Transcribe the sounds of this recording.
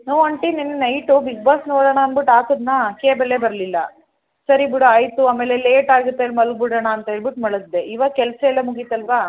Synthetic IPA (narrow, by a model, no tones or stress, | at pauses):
noːʋɐɳʈininːunɐjʈubʱiɡ̚baːsnoːɽɐɳaːnbiʈaːk̪ud̪nɐkeːbɛlːebɐɾɐlilːɐ | sɐɾibiɽoajt̪uaːmeːleleːʈaːɡut̪ːeɐlːmɐlɡ̚biɽɐɳɐːnt̪ɐiɾbiʈmɐɭɐɡ̪d̪eʔiːʋakɛlsɐɛlːɐmuɡit̪ːɐlʋaː